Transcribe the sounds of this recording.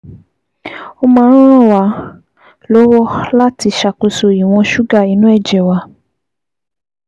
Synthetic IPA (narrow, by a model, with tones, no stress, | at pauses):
o˦˧mãː˧˦˧ɾ̃ɔ̃˦˨wa˨˧˦ | lɔ˦wɔ˦la˦ti˧ʃa˨ko˧so˨i˨w̃ɔ̃˧ʃu˦ɡa˦˨i˨˧˦nũ˨˦ɛ˦˨d͡ʒɛ˨wa˧